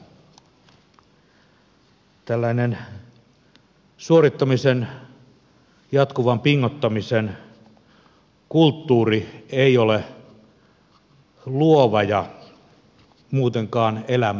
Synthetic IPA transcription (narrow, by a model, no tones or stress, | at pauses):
t̪ælːæinen | suoɾit̪ːɑmisen | jɑt̪kuʋɑmpiŋːot̪ːɑmisen | kult̪ːuːrieiole | luoʋɑjɑ | muːt̪eŋkɑːnelæm